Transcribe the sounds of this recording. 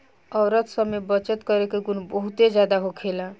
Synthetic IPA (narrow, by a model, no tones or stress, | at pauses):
ɔwɾət̪səmebət͡ʃət̪kɔɾekeɡunbɔɦut̪ed͡ʒjad̪aɦokʰela